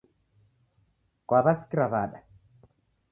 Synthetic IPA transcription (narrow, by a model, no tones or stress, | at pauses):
kwaβaskɾavaɗa